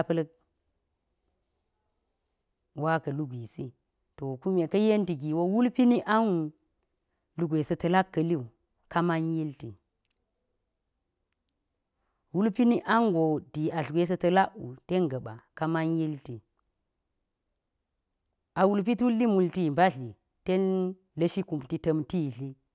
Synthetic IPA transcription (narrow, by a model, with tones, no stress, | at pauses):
pɐ˦lɐ˦ | wa˦kɐ˨lu˦ɡʷi˨si˦ | to˨ku˦me˨kɐ˦je˦nti˨ɡi˨wo˦wu˦lpi˦ni˦ʔa˦nu˨ | lu˨ɡʷe˨sɐ˨tɐ˨la˦kːɐ˨li˦u˨ | ka˦ma˦nji˦lti˨ | wu˦lpi˦ni˦ʔa˦ŋɡo˨di˨a˨ɬɡʷe˦s̬ɐ˦tɐ˦la˦ʔṵ˨te˦ŋɡɐ˨ɓa̰˨ka˦ma˦nji˦lti˨ | a˨wu˨lp̬i˦tu˦lːi˦mu˨lti˦˨ba˦ɬi˨ | te˦n | lɐ˦ʃi˦ku˨mti˦tɐ˦mti˦˨ɬi˦